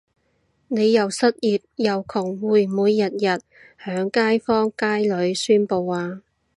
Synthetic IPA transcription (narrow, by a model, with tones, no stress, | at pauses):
ne˨˧jjɐ˨wsɐ˥t̚jiː˨˩p̚jɐ˨wkʰʊ˨˩ŋwuː˨˩jmuː˨˧jːɐ˨t̚jɐ˨t̚ | hœː˨˥ŋkaː˥jfɔː˥ŋkaː˥jlɵ˨˧˥ɥsyː˥npo˧waː˨˧